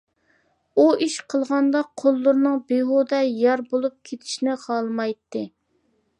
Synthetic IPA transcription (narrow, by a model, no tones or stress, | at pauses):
uiʃqʰəlˠʁɑnd̪ɑqʰolˠːʊɾnɨŋbeɦod̪ɑjɑɾbolˠup̚kʲʰet̪ʰɪ̥ʃnɪχɑlˠmɑjt̪ːɨ